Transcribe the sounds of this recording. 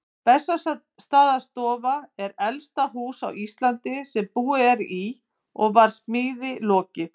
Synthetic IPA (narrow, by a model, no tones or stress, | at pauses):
pɛsːa | st̪aːðast̪ɔːvaɛɾɛlst̪aɦuːsawist̪lant̪ɪsɛmpuːɪɛɾi | ɔ̰ɣvaɾ̥smɪːðɪlɔːcɪ